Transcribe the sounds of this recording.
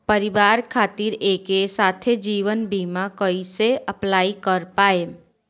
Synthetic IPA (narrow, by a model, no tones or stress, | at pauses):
pəɾɪʋaːɾkʰaːt̪iɾeːkesaːt̪ʰed͡ʒiːʋənbiːmakəiseɐplaːikəɾpaːe